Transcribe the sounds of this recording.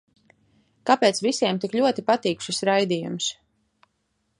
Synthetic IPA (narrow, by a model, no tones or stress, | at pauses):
kapeːt̪svisʲiɛmt̪ikʎʲuɔt̪ipat̪iːkʃisɾajd̪iːjṵms